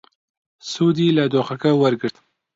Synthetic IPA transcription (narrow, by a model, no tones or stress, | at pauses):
sud̪ilad̪oxakawəɾɡəɾt̪